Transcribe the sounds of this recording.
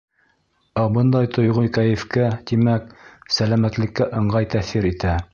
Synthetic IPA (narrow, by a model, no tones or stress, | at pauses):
æbɤnd̪ɑjt̪ŏjʁojkæjɘ̆fkæt̪imæksælæmæt̪lɘ̆kːæʔɤ̆ɴɢɑjt̪æθiɾit̪æ